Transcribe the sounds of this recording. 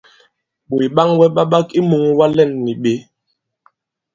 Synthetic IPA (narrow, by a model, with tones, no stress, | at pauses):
ɓo˨i˨ɓa˦ŋwɛ˦ɓa˦ɓa˦ki˦mu˨ŋwa˦lɛ˦˨nːi˨ɓe˦